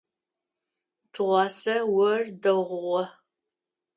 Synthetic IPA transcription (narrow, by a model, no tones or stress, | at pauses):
tʰɨʁʷɑːsɐwɐrdɐʁʷʊʁʷɔ